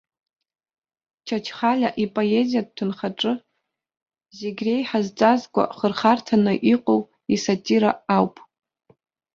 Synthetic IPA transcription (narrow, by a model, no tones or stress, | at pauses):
t͡ʃʰat͡ʃʰχalʲaʔipʼo̞e̞zijad̚tʰʊnχaʈ͡ʂʼɨ | zeɡʲre̞jħazt͡sʼazkʷʼa̰χərχartʰanɨʔiqʼow | isatʼiɾaawpʼ